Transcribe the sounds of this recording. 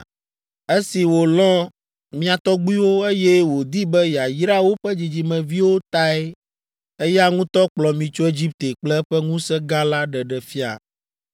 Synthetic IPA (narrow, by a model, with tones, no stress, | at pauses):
e˦si˨wo˨lɔ̃˦ | mĩ˦a˨t̪ɔ˦ɡ͡bu˦i˦wo˦e˦jɛ˦wo˨d̪i˦bɛ˦ja˨jɾa˦wo˦ɸɛ˦d͡ʑi˨d͡ʑi˨mɛ̃˨vi˦wo˦t̪a˦ɛ˦ | e˦ja˦ŋũ˦t̪ɔ˦k͡plɔ˨mĩ˨t͡ʃo˦e˦d͡ʑi˦p̚t̪e˨k͡plɛ˦ɸɛ˦ŋũ˦sɛ˦ɡa˦la˦ɖɛ˨ɖɛ˨fi˦a̰˨